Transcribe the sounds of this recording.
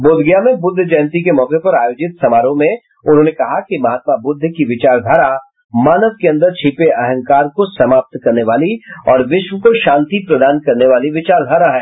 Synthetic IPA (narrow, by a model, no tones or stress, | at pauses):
boːd̪ʱɡjamẽbʊd̪ʱːd͡ʒɛːnt̪ikemɔːqepɐɾaːjoːd͡ʒɪt̪sɐmaːɾõmẽ | ʊnɦõːnekɐɦakimɐɦaːt̪̚mabʊd̪ʱːkiʋɪt͡ʃaːɾd̪ʱaːɾa | maːnəʋkeɐ̃nd̪əɾt͡ʃʰiːpeʔɐɦə̃ŋkaːɾkosɐmaːp̚t̪kɐɾneʋaːliɔ̰ːɾʋɪʃʋəkoʃãːnt̪ipɾɐd̪aːnkɐɾneʋaːliʋɪt͡ʃaːɾd̪ʱaɾaɦɛː